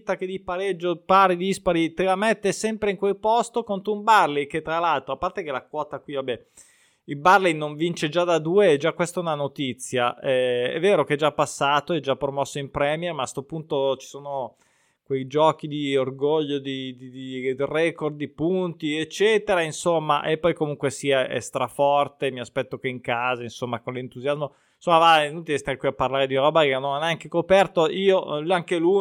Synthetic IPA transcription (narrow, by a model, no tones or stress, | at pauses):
t̪ːak̟ed̪ipaɾed͡ʒːopaːɾid̪ispaɾit̪elamet̪ːesɛmpɾeiŋkwelpɔst̪okont̪ɾoumbarlejket̪ːɾalalt̪ɾoapːart̪ekelakwɔːt̪akwivabɛ | ilbarlejnːoɱvint͡ʃed͡ʒad̪ad̪uːeɛd͡ʒakːwest̪aɛunanot̪it̪sːjaɛɛ̰vːeːɾokeɛd͡ʒapːasːaːt̪oɛd͡ʒapːɾomɔsːoimpɾɛːmjɛrmaːst̪opunt̪ot͡ʃi̥soːno | kwejd͡ʒɔːk̟id̪iorɡoʎːod̪id̪id̪irɛkord̪ipunt̪iet͡ʃːɛːt̪eɾainsomːa̰ʔepːɔjkomuŋkwesiːaʔḛst̪ɾafɔrt̪emiaspɛt̪ːok̟eiŋkaːzainsomːakonlint̪uzjazmo | nsomːavanont̪iɛst̪akːwiapːarlaːɾed̪iɾɔːbaenonaneaŋkekopɛrt̪oʔiːoaŋkelu